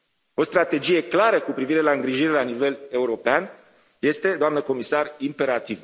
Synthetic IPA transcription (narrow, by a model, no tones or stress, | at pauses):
o̞st̪ɾat̪e̞d͡ʒije̞klaɾəkupɾiviɾe̞laɨŋɡɾiʒiɾe̞lanive̞le̞uɾo̞pean | je̞st̪e̞d̪oamnəko̞misarimpe̞ɾat̪iv